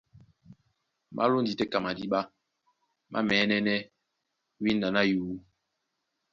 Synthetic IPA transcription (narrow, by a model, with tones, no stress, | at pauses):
mʔa̰˦lo˦n˦di˨tɛ˦ka˨ma˨di˦ɓa˦ | mʔa̰˦mɛ˨˦nɛ˦nɛ˦ | wi˦n˦da˨na˦juː˨˦